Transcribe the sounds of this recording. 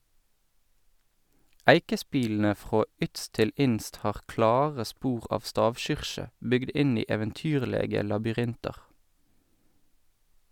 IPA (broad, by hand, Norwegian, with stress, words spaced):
ˈæɪkəˌspiːln̩ə ˈfʁoː ˈʏtst ˈtɪl ˈɪnst ˈhɑːʁ ˈklɑːʁə ˈspuːʁ ˈɑːf ˈstɑːʋˌʃʏʁʃə ˈbʏɡd ˈɪn ˈiː eːʋənˈtyːʁleːɡə lɑbʏˈʁɪntɑʁ